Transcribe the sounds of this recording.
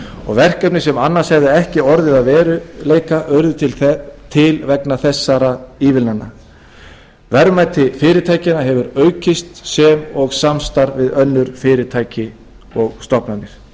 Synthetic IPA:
ɔ̰ɣvɛr̥kœp̚nɪsɛmanːaɾ̥shɛvðɪɛhcɪɔɾðɪðaðvɛːɾʏleːjkaʔœɾðʏt̪ʰɪlt̪ʰɪlvɛknaθɛsːaɾaiːvɪlnanːa̰ | vɛɾmat̪ʰɪfɪːɾɪt̪ʰaːjcɪnaɦɛvʏɾœːɥcɪst̪sɛmɔɣsamst̪aɾvɪðœnːʏɾ̥fɪːɾɪt̪ʰaːjcɪ | ɔɣst̪ɔpnanːɪɾ̥

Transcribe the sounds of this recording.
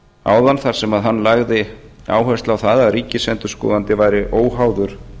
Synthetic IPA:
a̰ːwðanθaɾ̥sɛmaðɦanːlaɣðɪa̰ːwɦɛst̪lawθaːðaðɾiːcɪsɛnt̪ʏɾ̥skɔ̰ːðant̪ɪvaːjɾɪʔoːwɦaːwðʏɾ̥

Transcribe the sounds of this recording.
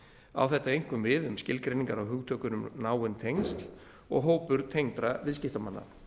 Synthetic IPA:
a̰wθɛht̪ːaejŋ̥kʏmvɪðʏmscɪlkɾejniŋkaɾawɦʏːɣt̪ʰœːkʏnʏmnaːwʏnt̪ʰejŋst̪l̥ | ɔ̰ɣɦoːwpʏɾ̥t̪ʰejŋt̪ɾavɪðscɪft̪amanːa̰

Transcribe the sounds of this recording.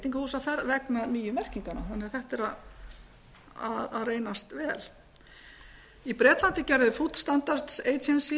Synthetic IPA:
t̪iŋkahuːsaθɛɾðvɛknaðmyːjʏmɛr̥ciŋkana̰ɛnːɪaθɛht̪ɛɾað | aðaðreːjnast̪vɛːl | ipɾɛːt̪lant̪ɪcɛɾðʏfut̪st̪ant̪aɾ̥t̪seːjt̪ʰɛnsi

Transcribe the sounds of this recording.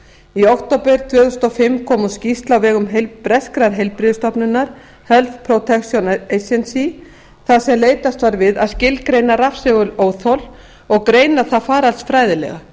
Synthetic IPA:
iɔwht̪opɛɾ̥t̪ʰvœːθʏst̪ɔfɪmːkʰɔːmʏscist̪lavɛːɣʏmɦejlpɾɛskɾaɾɦejlpɾɪðʏst̪ɔpnʏnːaɾ̥ | hœlfpʰɾowt̪ʰɛksjɔnejsɛnsi | θaðsɛmleːjt̪ast̪vaɾvɪðaðscɪlkɾeːjnarafsɛɣʏloːwθɔl | ɔɣkɾeːjnaðθaðfaːɾalsfɾajðɪlɛ̰ɣa̰

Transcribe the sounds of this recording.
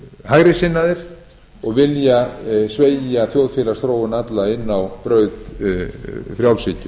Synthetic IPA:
hajɾɪsɪnːaðɪɾ̥ | ɔɣvɪljasveːjjaθjowð̥fɪːlast̪ɾoːwɪnat̪laɪnːawpɾœːɥð | fɾjawlsiːcʏ

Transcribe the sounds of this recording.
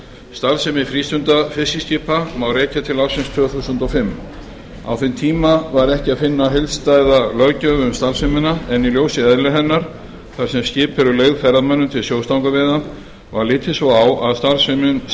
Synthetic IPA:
st̪alsemɪfɾiːst̪ʏnt̪afɪsiscɪːpʰamawrɾeːcat̪ʰɪlawsɪnst̪ʰʏːθusʏnt̪ɔwfɪmː | a̰wθɪnt̪ʰiːmavaɾɛhcɪaðfɪnːaɦɪlst̪aːjðalœɣcœʏmst̪alsɪmɪnaɛniljowsɪɛðlɛɦɛnːaɾ̥ | θaɾ̥sɛmscɪːpʰɛɾʏleːjɣðfɛɾðamœnːʏmt̪ʰɪlsjoːwst̪awŋkavɪːða | vaɾlɪːt̪ʰɪsvɔwawaðst̪alsɪmɪn

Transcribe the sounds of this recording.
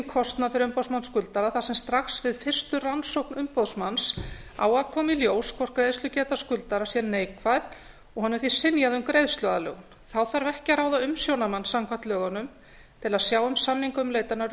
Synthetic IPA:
kʰɔst̪nafɪɾʏmpowsmanskʏlt̪aɾaθasɛmst̪ɾaxsvɪðfɪr̥st̪ʏransowhknʏmpoðsmansa̰ːwakʰɔːmiljoːwskʰvɔɾ̥kɾejðsʏcɛːt̪askʏlt̪aɾasjɛɾneːjkvað | ɔɣhanːɛɾθisɪnjaðʏmkɾejðst̪lœðalœ̰ːɣn | θawθaɾvɛhcɪɾaːwðaʏmsjownamansamkʰvaht̪lœːɣanʏm | t̪ʰɪlaðsjaːwʏmsamniŋkʏmleːjt̪anaɾ

